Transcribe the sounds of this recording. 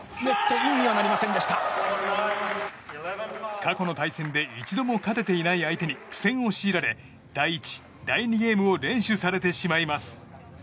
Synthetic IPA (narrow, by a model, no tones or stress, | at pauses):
ne̞t̪ːo̞imːʲiβanaɾʲimasẽ̞nd̪eɕi̥t̪a | kʰako̞no̞t̪aisẽ̞nd̪e̞it͡ɕid̪o̞mo̞kat̪e̞t̪e̞inaiait̪e̞ɲ̟ikɯ̥sẽ̞ɰ̃o̞ɕiːɾaɾe̞ | d̪̥aiːt͡ɕi̥ | d̪aiɲ̟iɡe̞ːmɯ̟o̞ɾẽ̞ɰ̃ɕɨsaɾe̞t̪e̞ɕimaimasɨ̥